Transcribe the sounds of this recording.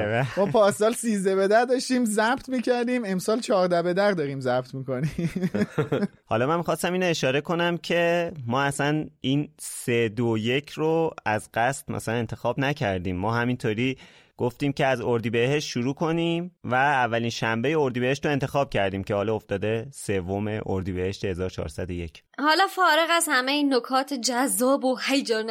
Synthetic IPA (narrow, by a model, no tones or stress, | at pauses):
evæmɒːpʰɒːsɒːlsiːzd̪ebed̪æɾd̪ɒʃt̪iːmzæb̥t̪ʰmiːcʰæɾd̪iːme̞msɒːlt͡ʃʰɒːɾd̪æbed̪æɾd̪ɒːɾiːmzæbt̪ʰmiːko̞ni | hɒ̰ːlɒːmænmixɒst̪æmiːnoeʃɒːɾe̞kʰo̞næmcʰe̞mɒːæsænʔiːnsed̪oje̞cʰroæzɢ̥æst̪mæ̰sælæne̞nt̪ʰe̞xɒːbnæcʰæɾd̪iːmːɒːɦæmint̪ʰoːɾiː | ɡ̥oft̪iːmce̞æzoɾd̪iːbe̞ɦe̞ʃt̪ʃuɾuːkʰo̞niːmvæːvːæliːnʃæmbe̞jeo̞ɾd̪ibe̞heʃt̪ɾoe̞nt̪ʰe̞xɒːb̥̚cʰæɾd̪iːmcʰehɒːlɒoft̪ɒːd̪e̞se̞vo̞me̞ʔoɾd̪iːbe̞he̞ʃt̪ehe̞zɒːɾot͡ʃʰɒ̰ːɾsæd̪o̞je̞cʰ | hɒːlɒfɒːɾe̞ɣæzhæmejinokʰɒːt̪ʰed͡ʒæzːɒːbohejd͡ʒɒn